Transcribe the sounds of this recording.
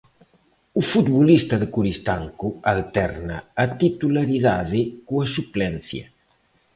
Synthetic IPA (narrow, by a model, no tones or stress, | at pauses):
ufut̪bulist̪aðəkuɾist̪aŋkualt̪ɛrnaːt̪it̪ulaɾiðaðekuasuplɛnθja̰